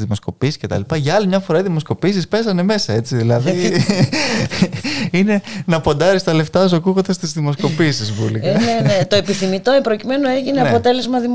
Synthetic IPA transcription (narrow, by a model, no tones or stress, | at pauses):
ðimo̞sko̞pisi̥sce̞t̪ɐ̰lipɐʝɐɐlimɲɐfo̞ɾɐiðimo̞sko̞piːsispe̞sɐne̞me̞sɐe̞t͡siðilɐð | ine̞nɐpo̞nd̪ɐɾist̪ɐle̞ft̪ɐzokuɣod̪ɐst̪izðimo̞sko̞pisizvuliɐneet̪oepiθimit̪opɾo̞cime̞noeʝineɐpo̞t̪e̞le̞zmɐðim